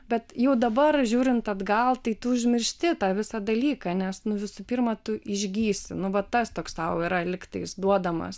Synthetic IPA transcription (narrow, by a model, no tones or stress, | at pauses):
bʲɛt̪jɛʊd̪ɐbɐrʒʲuːɾʲɪnt̪ɐd̪ɡɐlˠt̪ɐɪt̪ʊʊʒʲmʲɪrʲʃʲt̪ʲɪt̪ɑːʋʲɪsɑd̪ɐlʲiːkɑnʲɛsnʊʋʲɪsʊpʲirmɐt̪ʊʔɪʒʲɡʲiːsʲɪnʊʋɐtt̪ːɐst̪oːkstɐʊɪɾɐlʲɪkt̪ɐɪsd̪uɔd̪ɐmɐ̰s